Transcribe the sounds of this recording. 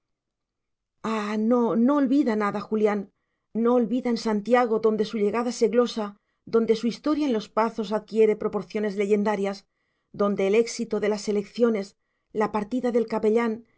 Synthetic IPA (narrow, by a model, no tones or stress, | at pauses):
anonoːlβiðanaðaxuljanː | o̞ːlβiðaensant̪jaɣ̞o̞ðo̞nd̪e̞suʎe̞ɣaðase̞ɣlo̞sa | ðo̞nd̪e̞suist̪o̞ɾjaenlo̞spaθo̞saðkje̞ɾe̞pɾo̞po̞ɾθjo̞ne̞zle̞ʝe̞nd̪aɾjaz | ðo̞nd̪e̞ːle̞ksit̪oðe̞lase̞le̞kθjo̞ne̞z | lapaɾt̪iðaðe̞lkape̞ʎan